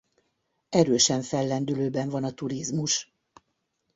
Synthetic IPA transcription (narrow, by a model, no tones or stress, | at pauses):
ɛɾøːʃɛɱfɛlːɛnd̪yløːbɛɱvɒnɒt̪uɾizmuʃ